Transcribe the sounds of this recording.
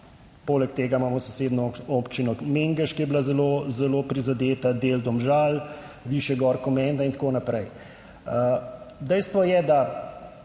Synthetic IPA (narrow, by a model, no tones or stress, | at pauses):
polɛkt̪eːɡamaːmɔsoseːd̪nɔopt͡ʃinɔmeŋɡəʃkijɛblazɛlozɛlopɾizad̪eːt̪ad̪eld̪ɔmʒal | ʋiːʃjɛɡɔɾkɔmɛnd̪aint̪ḁkoːnapɾɛj | əd̪ɛjst̪ʋɔjɛd̪a